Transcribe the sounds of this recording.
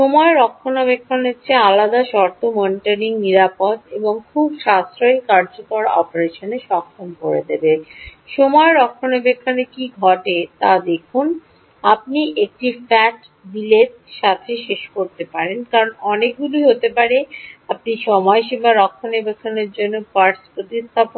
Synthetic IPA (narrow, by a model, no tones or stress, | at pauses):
ʃomɔeɾɔkʰːonobekʰːoneɾt͡ɕʰealad̪aʃɔɾt̪omɔniʈaɾiŋniɾapod̪eboŋkʰubʃast̪ɾaikaɾd͡ʑokoɾɔ̰peɾeʃoneʃɔkʰːɾomkoɾḛd̪ebeʃomɔeɾɔkʰːonebekʰːonekiɡʱɔʈet̪ad̪ekʰun | ap̚niʔek̚ʈifɛʈ | dileɾ | ʃat̪ʰeʃeʃkoɾt̪epaɾenkaɾonɔnek̚ɡuluiɦot̪epaɾeap̚niʃɔmɔeʃibaɾɔkʰːonebekʰːoneɾd͡ʑonːopaɾʈspɾot̪ist̪ʰap